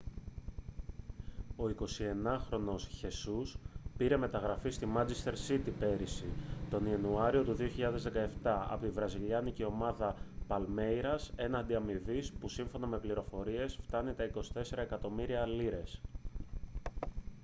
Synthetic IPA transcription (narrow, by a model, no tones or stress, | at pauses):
o̞iko̞sie̞nɐxɾo̞no̞sçe̞suspiɾe̞me̞t̪ɐɣɾɐfist̪imɐnt͡sest̪e̞ɾsit̪ipe̞ɾisit̪o̞niɐnuɐɾio̞t̪uðio̞çiʎɐðe̞zðe̞kɐe̞ft̪ɐɐ̰pot̪ivɾɐziʎɐniceo̞mɐðɐpɐlme̞jɾɐse̞nɐnd̪iɐmivispusiɱfo̞nɐme̞pliɾo̞fo̞ɾie̞sft̪ɐnit̪ɐiko̞si̥t̪e̞se̞ɾɐe̞kɐt̪o̞miɾiɐːliɾe̞s